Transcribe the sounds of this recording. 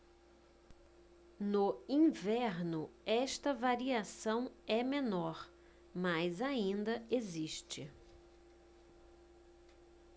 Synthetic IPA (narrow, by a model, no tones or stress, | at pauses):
nʊĩvɛɾnʊɛʃt̪ɐvaɾiasɐ̃w̃ɛmenɔɾ | majzaĩnd̪ɐeziʃt͡ʃɪ̰